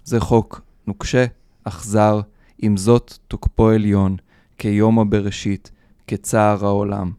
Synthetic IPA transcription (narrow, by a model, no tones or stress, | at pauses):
zeχo̞k | nukʃe | aχzaʁ | imzo̞t̪ːokpoeljo̞n | kejo̞mabeʁeʃit | ket͡saːʁaola̰m